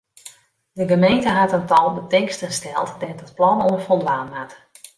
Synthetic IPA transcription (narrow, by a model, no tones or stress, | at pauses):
dəɡəmejntəɦatəntɔlˠbətɪŋkstənstɛlˠtdɛtət̚plɔnoənfɔlˠdʋaːnmat